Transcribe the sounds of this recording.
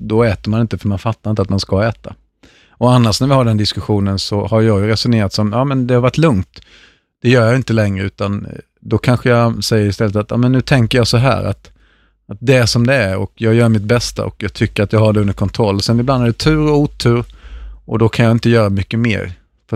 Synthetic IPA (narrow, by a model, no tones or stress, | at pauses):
d̪ɔɛːt̪əɾmanɪnt̪əfœɾmanfat̪ːaɾɪnt̪at̪manskaɛːt̪a̰ | ɔanːaʂnæɾvɪhaɖɛnd̪ɪskɵɧuːnənsɔhaɾjɑːɡjɵɾɛsʊneːɾat̪sɔmjɑːmɛnd̪ɛhaɾvaʈːlɵŋt̪ | d̪̥ɛjœːɾjajɪnt̪əlɛŋɾəʉ̟ːt̪an | d̪ɔkʰanɧəjasɛjːəɾɪst̪ɛlːət̪at̪jɑ̰ːmɛnːʉ̟ːt̪ʰɛŋkəɾjɑːsɔɦæ̰ːɾa̰t̪ | at̪̚d̪ɛæʂɔmd̪ɛæɾɔ̰kjɑːɡjœːɾmɪt̪̚bɛst̪a̰ʔɔ̰kjɑːɡ̚t̪ʰʏkːəɾat̪jɑːɡhaɖɛɵnd̪əɾkʰɔnt̪ʰɾɔlːɔsɛnɪbland̪æɖɛt̪ʰʉ̟ːɾɔuːt̪ʰːʉːɾʔɔd̪ɔkʰanjaːɪnt̪əjœːɾamʏkːəmḛːɾ | f